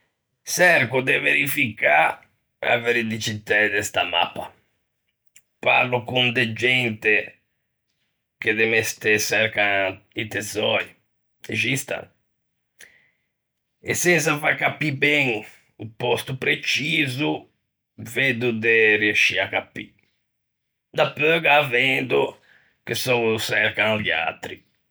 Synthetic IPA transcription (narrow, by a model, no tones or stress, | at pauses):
sɛɾkud̪eveɾifika | a̰veɾid̪it͡ʃit̪ɛd̪ɛst̪ama̰pːa | pa̰ɾlukund̪ed͡ʒɛnt̪e | k̟ed̪emɛst̪esɛɾkait̪ezɔji | ezist̪a̰ | ḛsɛns̬afakapːibɛ̃ŋ | upɔst̪upɾet͡ʃizu | ved̪ud̪eriaʃiakapːḭ | d̪apøɡaːvɛnd̪u | kesɔsɛɾkad̪ja̰t̪ɾi